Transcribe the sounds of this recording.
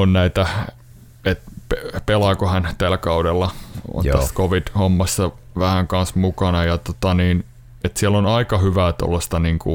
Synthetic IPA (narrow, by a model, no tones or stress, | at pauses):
onnæit̪æ | et̪pepelɑkohænt̪ælkɑudelːɑo̰nt̪æskoʋid̥homːɑsːɑʋæhæŋkɑnsmukɑnɑjɑt̪ot̪ɑniːn | et̪siælonɑikɑhyʋæːˑt̪o̰lːest̪ɑniːŋkṵ